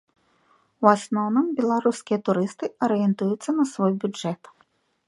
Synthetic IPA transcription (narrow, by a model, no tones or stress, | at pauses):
wasnɔwnɨmbʲɛlˠaɾuskʲijɐt̪uɾɨst̪ɨɐɾɨjɛnt̪ujut̪sːɐnɐsvɔjbʲuɛt̪